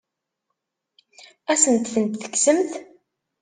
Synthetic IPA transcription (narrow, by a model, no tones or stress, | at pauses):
æsənt̪θənt̪θə̥ksəmθ